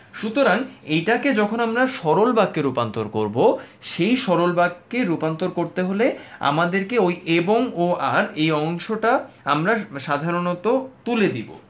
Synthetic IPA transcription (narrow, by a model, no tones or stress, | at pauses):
ʃut̪oɾaŋejʈaked͡ʑɔkʰonamɾaʃɔɾolbaɡ̚keɾupant̪oɾkoɾbo | ʃejʃɔɾolbaɡ̚kːeɾupant̪oɾkoɾt̪eɦolea̰mad̪eɾkeojʔeboŋoaɾejɔŋʃoʈa | amɾaʃad̪ʱaɾonɔt̪ot̪uled̪ibo̰